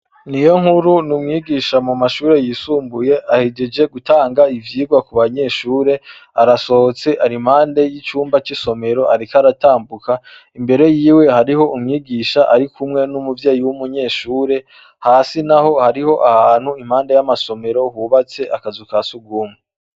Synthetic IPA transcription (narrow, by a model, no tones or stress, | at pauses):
nijo̞ŋ̥huɾunumŋiːɡiʃamumaʃuːɾe̞jiːsuːmbuje̞ʔahiɟed͡ʒe̞ɡutaːŋɡaivjiːɡwakuβaɲe̞ːʃuːɾe̞aɾaso̞hot͡se̞ʔaɾim̥haːnde̞jit͡ʃuːmbat͡ʃiso̞me̞ɾo̞ʔaɾikaɾataːmbuka | imbe̞ɾe̞jiːwe̞haɾiho̞umŋiːɡiːʃaʔaɾikʰumŋe̞numuvjaːjiwumuɲe̞ːʃuːɾe̞ | haːsinaho̞haɾiho̞ʔahaːn̥huim̥haːnde̞jamaso̞me̞ɾo̞huːβat͡se̞ʔakazukasuɡuːme